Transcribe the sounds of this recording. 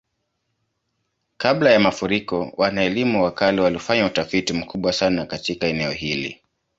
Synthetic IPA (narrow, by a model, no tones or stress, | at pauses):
kaɓlajamafuɾikɔwʔanaɛlimuwakaliwalifaɲautafitim̩kʰuɓwasanakatikaɛnɛɔhilḭ